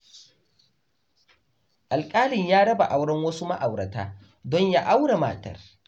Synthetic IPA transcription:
ʔa˨lkʼaː˦lɪ˨ɲjaː˦ɽɐ˦ba˨ʔa˨wɽɐ˦ŋwɐ˦su˦ma̰˦ʔa˨wɽɐ˨ta̰ː˦ | dɔ˦ɲja˦ʔa˦wɽa˨ma̰ː˨tɐ̰˦˨r

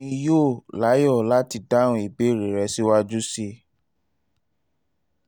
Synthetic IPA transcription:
ĩ˧jo˦˨la˨˦jɔ˦˨la˦ti˧dã˦ũ˧˦i˨be˨˦˨ɾe˨ɾɛ˧˦si˦wa˦d͡ʒu˦si˦

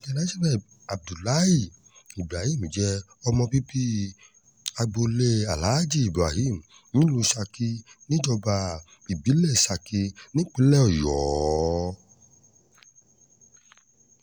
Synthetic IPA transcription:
ɡɛ˧na˨˦za˦bɛ˦˨ | a˨b̚du˨la˦i˦˨ | i˨bɾa˨hi˦˨m˨d͡ʒɛ˧˦ | ɔ˧mɔ̃˧pi˦pi˦ | a˧ɡ͡bo˧le˦a˨la˨˦d͡ʒi˦˨i˨bɾa˨hi˦˨m̩˨ | jĩ˨˦lu˧sa˧ki˧nĩ˦d͡ʒɔ˧ba˧ | i˨bi˨˦le˦˨i˨sa˧ki˧nĩ˦k͡pi˦lɛ˦ɔ˨jɔː˨˦˨

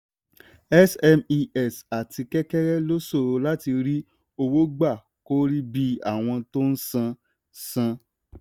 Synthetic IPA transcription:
ɛ˦sɛ˧mi˧ɛ˦˨sa˨ti˧kɛ˦kɛ˦ɾɛ˦lo˦so˦˨ɾo˨˧la˦ti˧ɾi˦ | o˧wo˦ɡ͡ba˦˨ | ko˦ɾi˦bi˦a̰˦˨w̃ɔ̃˧to˦n̩˦sã˧ | sã˧

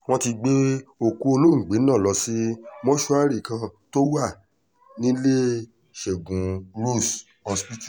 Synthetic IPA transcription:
w̃ɔ̃˦ti˧ɡ͡be˦o˨ku˧˦o˧lo˦ŋ̩˨ɡ͡be˨˦nã˦˨lɔ˧si˦mɔ̃˦ʃu˦a˦ɾi˦˨kã˧to˦wa˦˨ | nĩ˦le˦ | ʃe˨ɡũ˨ɾo˦˨s | ɔ̃˧spi˦tu̥˦˨

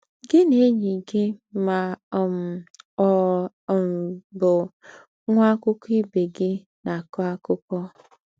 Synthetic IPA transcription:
ɡɪ˦ne˨˦ɲi˨ɡɪ˦ma˨m̩˨ɔ˨ | m̩˨bʊ˨ | ŋʷa˦kʊ˦ki˦be˨ɡɪ˦ | na˨kɔ˦a˦kʊ˦kɔ˦

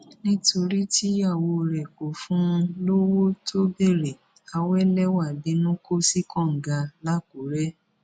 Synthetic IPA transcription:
nĩ˦to˧ɾi˦tʰi˦a˦˨wo˧ɾɛ˨ko˨fũ˨˦˧lo˦wo˦to˦be˦˨ɾe˨ | a˧wɛ˦lɛ˦wa˦˨be˨˦nũ˦ko˦si˦kɔ̃˦˨ŋ̩˨ɡa˧la˦ko˨˦ɾɛ˦

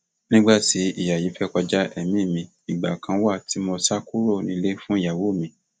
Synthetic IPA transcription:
nĩ˦ɡ͡ba˦˨ti˨˦i˦˨ja˨ji˨˦fɛ˦kɔ˧d͡ʒa˦ʔɛ˦mĩ˦˨mĩ˧ | i˨ɡ͡ba̰˨kʰã˧˦wa˦˨tʰi˨˦mɔ̃˧sa˦ku˦ɾo˦˨nĩ˧˦le˦fũ˦i˦˨ja˨wo˨˦˨mĩ˧˦

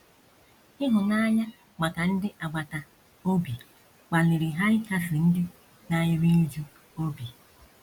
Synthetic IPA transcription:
ɪ˦ɦʊ˨na˦ɲa˦ | ma˨ka˨n̩˦dɪ˦ʔa˨ɡ͡ba˨ta˨ | o˦bi˨ | k͡pa˨lɪ˨ɾi˨ɦa˦ɪ˦ka˦fɪ˨n̩˦dɪ˦ | na˦ɲɪ˦me˦d͡ʒu˦ | o˦bi˨

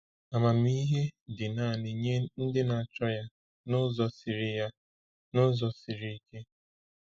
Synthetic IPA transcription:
a˨ma˨mi˦ɦe˦dɪ˨na˨nɪ˨ɲe˦n̩˦dɪ˦na˨a˨t͡ʃɔ˦ja˦ | nʊ˦zɔ˦sɪ˨ɾɪ˨ja˦ | nʊ˦zɔ˨si˨ɾi˨i˨ke˦

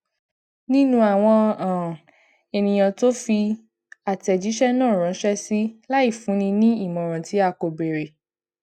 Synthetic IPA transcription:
nĩ˦nũ˧˦a˨w̃ɔ̃˧ã˨ | e˧nĩ˨j̃ã˧to˦fi˧ | a˨tɛ˨d͡ʒi˨˦ʃɛ˦nãː˦˨ɾ̃ɔ̃˨˦ʃɛ˦si˦la˦i˦˨fũ˨˦nĩ˧nĩ˦i˦˨mɔ̃˨ɾ̃ã˨ti˨˦a˧ko˨be˨ɾe˨

